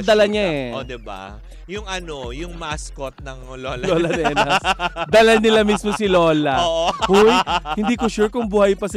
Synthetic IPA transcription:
d̪ɐlɐɲaʔɛʔod̪ɪba̰ | jʊŋʔɐnojʊŋmaskot̪̚nɐŋ | lolɐoːlɐnɛnɐsd̪ɐlɐnɪlamismosɪlo̞ːlɐoːʔhujhɪnd̪iːkoʃuːɹkʊŋbuːhɐjpɐs

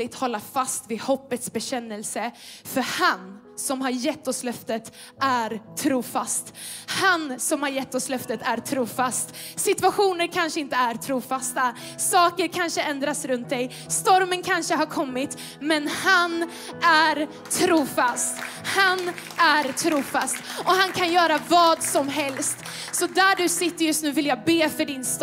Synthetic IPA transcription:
ɪt̪hɔlːafast̪vɪhɔpːət̪sbɛɕɛnːɛlsəfœɾhan | sɔmɦaɾjɛt̪ːɔslœft̪ət̪ | æɾt̪ʰɾuːfast̪hansɔmhaɾjɛt̪ːɔslœft̪ət̪ʰæɾt̪ʰɾuːfast̪sɪt̪vaɧuːnəɾkʰanʂəɪnt̪əæɾt̪ʰɾuːfast̪a | sɑːkəɾkʰanʂəɛnd̪ɾasɾɵnt̪̚d̪ɛj | st̪ɔɾmənkʰanʂəɦaɾkʰɔmːɪt̪ | mɛnhan | æɾ | t̪ʰɾuːfast̪ | hanæɾt̪ʰɾuːfast̪ʔɔhankʰanjœːɾavɑːd̪sɔmɦɛlst̪ | sɔd̪æɖɵsɪt̪ːəɾjɵst̪nʉːvɪljaːbeːfœɖɪnst̪

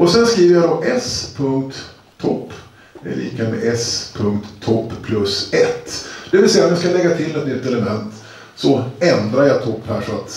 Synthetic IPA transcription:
ʔɔsɛnskɾiːvəɾjad̪ɔʔɛspʰɵŋk̚t̪ʰː | ɔpː | ɛ̰lḭːkamɛ̰ʔɛspʰɵŋkt̪ʰːɔpːʰlɵsɛt̪ːd̪̥ɛvɪlsɛjːaɔmjaskalɛɡːat̪ʰɪlːɛt̪nʏt̪ːɛlɛmɛnt̪ | sɔɛnd̪ɾajɑt̪ʰɔpːhæːʂɔat̪

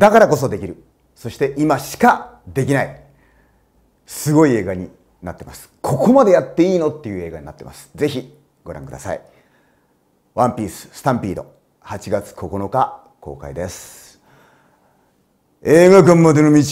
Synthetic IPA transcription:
d̪akaɾako̞so̞d̪e̞kʲiɾɯ̟ | so̞ɕi̥t̪e̞ʔimaɕi̥ka | d̪e̞k̬ʲinai | sɨɡo̞ie̞ːɡaɲ̟i | nat̪ːe̞masɨ̥kʰo̞ko̞mad̪e̞jat̪ːe̞iːno̞t̪ːejɯ̟e̞ːɡaɲ̟inat̪ːe̞masɨ̥ze̞çi | ɡ̥o̞ɾã̰ŋkɯ̟d̪asa̰i | βãmpʲiːsɨ̥sɨ̥t̪ãmpʲiːd̪o̞̰ | hat͡ɕiɡat͡sɨ̥kʰo̞ko̞no̞ka | ko̞̰ːka̰id̪e̞sɨ̥ | eːɡaɡɯ̃mːad̪enomʲit͡ɕ

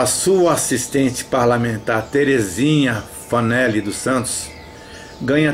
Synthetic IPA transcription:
ɐsuɐasist̪ẽnt͡ʃɪ̥paɾlamẽnt̪aɾt̪eɾezĩɲɐ | fɐnɛlɪd̪ʊsɐ̃nt̪ʊ̥s | ɡɐ̃ɲɐ

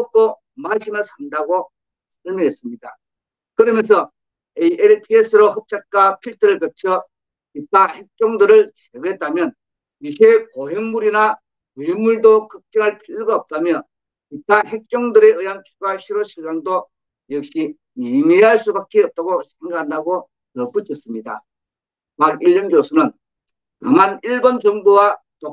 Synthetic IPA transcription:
ot͈o | maɕʰinɯsʰandaɡo | sʰʌɭmjʌɦes͈ɯmɲida | kɯɾʌmjʌnsʰʌ | eiʔeɾpʰies͈ʰɯɾoɦʌp̚t͡ɕ͈ak͈apʰiɭtʰɯɾɯɭkɯt͡ɕʰʌ | pitʰahek̚t͡ɕ͈oŋdɯɾɯɭt͡ɕeɡɦet̚t͈amjʌn | isekoɦeŋmuɾina | umuɭdokɯk̚t͡ɕ͈eŋɯɭpʰiʎːɯɡaʌp̚t͈amjʌ | pitʰaɦek̚t͡ɕ͈oŋdɯɾe̞ɯjant͡ɕʰuɡaɕʰiɾoɕʰiɭsaŋdo | jʌk̚ɕ͈i | mimeɦaɭs͈ubak͈eʌp̚t͈aɡosʰeŋɡaandaɡo | nʌp͈ut͡ɕʰʌs͈ɯmɲida̰ | paɡiʎːʌnɡjosʰʌnɯn | taŋaniɭbond͡ʑʌŋbowato

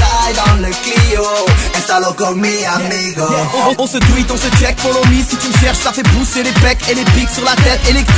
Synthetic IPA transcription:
ajd̪ɔ̃nləklioɛst̪alokɔmeamiɡõɔ̃sət̪wit̪ɔ̃sət͡ʃɛk̚pɔ̃lomissit̪yʃɛʁʃsafɛpuselepɛkelepiksyʁlat̪ɛt̪ele

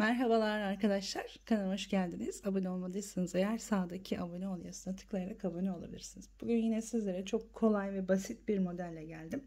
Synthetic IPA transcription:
mæɾɦabalˠaɾlˠaaɾkʰad̪aʃlˠaɾ̥kʰanamaʃɟælʲd̪iniz̥abunio̞lˠmad̪ˠɯjsɯnɯzejæɾsaːd̪acʰiʔabunio̞lˠjasɯnat̪ʰɯ̥klˠajaɾakabunio̞lˠa̰bilʲiɾsinizbuɟynjinɛsizlʲeɾɛt͡ʃʰo̞kʰːo̞lˠajvɛbasit̪̚biɾmo̞d̪ælʲːɛɟælʲd̪im

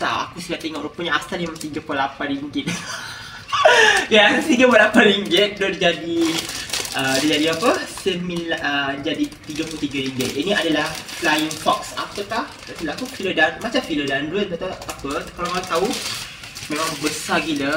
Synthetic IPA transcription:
t̪a̰a̰kusəɡaʔt̪eŋɔʔɾupəɲãʔast̪animat̪iɡəpolapatriŋɡit̪̚ | jast̪iɡəpalapatɾiŋɡɪt̪̚dɔʔdid͡ʒadi | ədid͡ʒadiapəsəmiləd͡ʒadit̪iɡaput̪iɡaɾiŋɡət̪̚ʔinĩadalahflajiŋfɔksa̰pəkah | ʔfiləmakufilədanmat͡ʃamfilədandɾət̚bat̪aapət̪kalamaat̪au | mẽmãŋŋbəsaɡilə

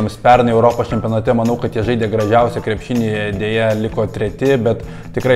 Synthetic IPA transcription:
mspʲɛrnɐɪɛʊɾoːpoːst͡ʃʲɛmʲpʲionɐt̪ʲɛmɐnɐʊkɐt̪jiɛʒɐɪd̪ʲeːɡɾɐʒʲɛʊsʲɛkɾʲɛpʲʃʲɪnʲeːd̪ʲeːjɛlʲɪkoːt̪ʲɾʲɛt̪ʲɪbʲɛt̪ | tʲɪkɾɐɪ

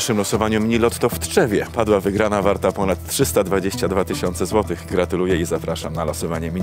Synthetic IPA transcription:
ʂɘmlɔsɔvaɲumʲɲilɔt̪ːɔft̪ʂɛvʲjɛpad̪wavɘɡɾanavaɾt̪apɔnat̪ːtːʂɘst̪ad̪vad͡ʑeɕt͡ɕad̪vat̪ɘɕɔnt̪sɛzwɔt̪ɘɣɡɾat̪ulujɛizapɾaʂamnalɔsɔvaɲɛmʲɲ

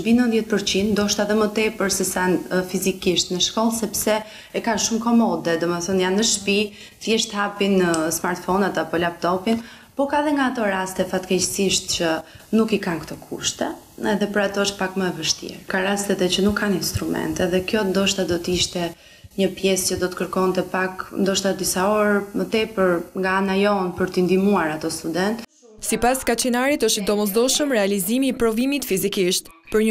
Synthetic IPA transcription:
ʃbinənðjɛt̪̚pəɾt͡ɕind̪d̪ɔʃt̪aðɛmət̪ɛpəɾsɛsanfizikiʃt̪nəʃkɔlˠsɛpsɛ | ɛkanʃumkɔmɔd̪ɛd̪ɔmɛθɔnjanəʃpi | θjɛʃt̪hapinəsmaɾt̪fɔnat̪apɔlap̚t̪ɔpin | pɔkaðɛŋɡaːt̪ɔɾast̪ɛfat̪kɛcsiʃt̪̚t͡ɕə | nukikankt̪ɔkʰṵʃt̪ɛ | ɛðɛpəɾat̪ɔəʃt̪̚pakməɛvəʃt̪ḭɾkaɾast̪ɛt̪ɛt͡ɕənukʰːaninst̪ɾumɛ̰nt̪ɛðɛkjɔnd̪ɔʃt̪ad̪ɔt̪əiʃt̪ɛ | ɲəpjɛscəd̪ɔt̪ə̥kəɾkɔnt̪ɛpaknd̪ɔʃt̪ad̪isaɔɾmət̪ɛpəɾŋɡaanajɔnpəɾt̪ind̪imuaɾat̪ɔst̪ud̪ɛnt̪ | sipaskat͡ʃinaɾit̪əʃt̪d̪ɔmɔz̬d̪ɔʃəmɾɛalizimiːpɾɔvimit̪fizikiʃt̪pəɾɲ

